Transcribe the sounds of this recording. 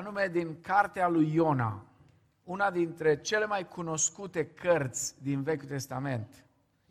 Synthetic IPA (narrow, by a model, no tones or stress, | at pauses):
anume̞d̪iŋkart̪ealujːo̞na̰ | unad̪int̪ɾe̞t͡ʃe̞le̞majkʰuno̞skut̪e̞kʰərt̪sʲd̪inve̞kʲut̪e̞st̪ame̞nt̪